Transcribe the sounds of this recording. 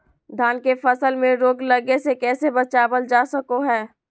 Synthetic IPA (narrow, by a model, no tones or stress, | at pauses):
d̪ʱaːnkefɐsəlmẽɾoːɡlɐɡesekɛːsebɐt͡ʃaːbəld͡ʒaːsəkoɦɛː